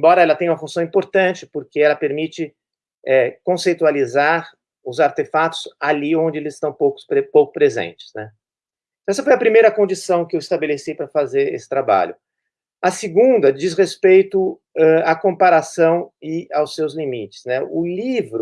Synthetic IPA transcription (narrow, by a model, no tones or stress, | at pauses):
ẽmbɔɾɐɛlɐt̪ẽj̃ũmɐfũsɐ̃w̃ĩmpoɾt̪ɐ̃nt͡ʃɪ̥pʊɾkeɛlɐpeɾmit͡ʃɪ | ɛkõsejt̪ualizaɾ | ʊzaɾt̪efat̪ʊ̥saliõnd͡ʒɪelɪzɪst̪ɐ̃w̃powkʊ̥spowkʊ̥pɾezḛ̃nt͡ʃɪ̥znɛ | t̪ɐ̃w̃ɛsɐfojɐpɾimejɾɐkõnd͡ʒisɐ̃w̃kɪewɪst̪abelesijpɾɐfazeɾḛsɪ̥t̪ɾaba̰ʎʊ̰ | ɐsɪɡũd̪ɐd͡ʒisʁespejt̪ʊ | ɛakõpaɾasɐ̃w̃ɪawsːewzlimit͡ʃɪ̥znɛʊlivɾʊ